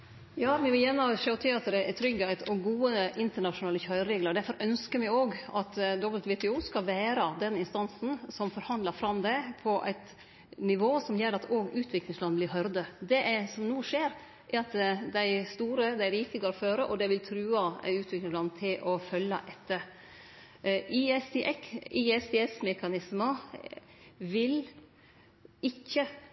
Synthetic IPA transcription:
jɑːmɪʋɪljæːnːəʂøːt̪ʰɪɑt̪d̪ɛʔɛt̪ʰɾʏɡːəæɪt̪ʰɔɡuːəʔɪnt̪əɳɑʂʊnɑːləçœʏɾɾeːɡləɖæɾfɔɾœnskəɾmɪoːɡɑt̪d̪ɔbəlt̪ʋɪt̪ɪuːskɑlʋæːɾɑd̪ɛnɪnst̪ɑnsn̩sɔmfɔɾhɑnd̪ləɾfɾɑmd̪ɛpʰɔʔæ̰ɪt̪ | nɪʋoːsɔmjɛɾɑt̪ʰoːɡʉːt̪ʰʋɪklɪŋslɑnːblɪɾɦœɾd̪əd̪ɛʔæsɔmnuːʂeːɾ | ʔæɾɑt̪d̪æɪst̪uːɾəd̪æɪɾiːk̪ɪɡɑɾɔføːɾəʔɔd̪ɛʋɪlt̪ʰɾʉːɑʉːt̪ʰʋɪklɪŋslɑnt̪ʰɪlʔɔfœlːə̰ʔɛt̪ːə | iɛsʔɛkiɛsd̪ɛɛsmɛkɑnɪsmə | ʋɪl | ɪçːə

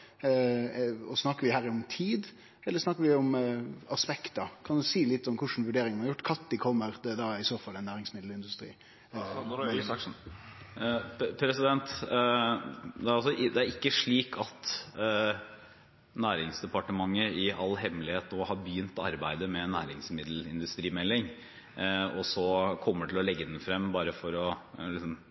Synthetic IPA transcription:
ɔsnɑkːəɾʋɪhæːɾɪɔmt̪ʰiːd̪ | ɛlːəɾʂnɑkːəɾʋɪɔmɑspɛkt̪d̪ɑkʰɑnd̪ʉsiːlɪt̪ːɔmkʰʊʂənʋʉɖeːɾɪŋɑɾjʊʈːkʰɑt̪ːd̪ɪkʰɔmːəɾd̪ɛd̪ɑɪsoːfɑlːɛnːæːɾɪŋsmɪd̪lɪnd̪ʉst̪ɾḭː | pʰɾɛsɪd̪ɛnt̪ | d̪ɛæɾɑls̬ɔʔd̪ɛæɾɪkːəʂɭiːkɑt̪ | næːɾɪŋsd̪ɛpɑʈəmɑŋːəɪɑ̰lːɦɛmlɪheːt̪noːhɑɾbəjyːnt̪ɑ̰ɾbæɪd̪əmɛnæːɾɪŋsmɪd̪l̩ɪnd̪ʉst̪ɾiːmɛlːɪŋ | ɔsɔkʰɔmːəʈʰɪlɔlɛɡːəd̪ɛnfɾɛmːbɑːɾəfɔɾɔlɪsɔm

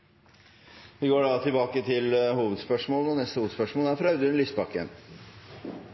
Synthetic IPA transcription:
ʋɪɡoːɖɑt̪ʰɪlbɑːkət̪ʰɪlhuːʋəd̪spœʂmoːl̩ɔnɛst̪əhuːʋəd̪spœʂmoːlæɾfɾɑʉd̪ʉnlʏst̪bɑkːə̰n

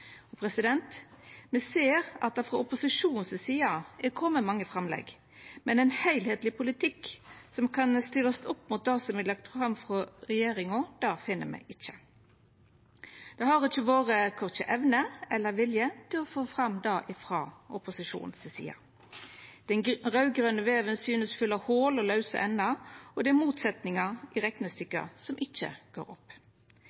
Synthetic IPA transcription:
ɔpʰɾɛsɪd̪ɛnt̪mɛseːɾɑt̪̚d̪ɑfʁɑʊpʊsɪʂuːnn̩ssiːɑɛkʰɔmːəmɑŋːəfɾɑmlɛ̰ɡ | mɛnɛnhæɪlheːt̪lɪpʰʊlɪt̪ʰɪksɔmkʰɑnst̪ɪləɔst̪ʊpːmʊt̪̚d̪ɑsɔmɛlɑk̚t̪fɾɑmfɾɔɾɛjeːɾɪŋɔd̪̥ɑfɪnːə̰mæ̰ɪʔɪt͡ʃːə̥ | d̪̥ɛhɑʁɪt͡ʃːəʋoːʁəkʰɔʁt͡ʃəʔɛʋnəɛlːəɾʋɪljət̪ʰɪlɔfoːfʁɑmd̪ɑːʔɪfʁɑːʔɔpʊsɪʂṵːnən̩sɪsḭːɑ̰ | d̪̥ɛnʁɑʉɡʁøːnəʋeːʋənsyːnəsfʏlːɑhoːlɔlɑʉsə̰ʔɛnːɑɔd̪ɛmuːt̪sɛt̪nɪŋɑɪʁɛknəst̪ʏkːə̰sɔmʔɪt͡ʃːə̰ɡ̥o̰ːɾɔ̰pː

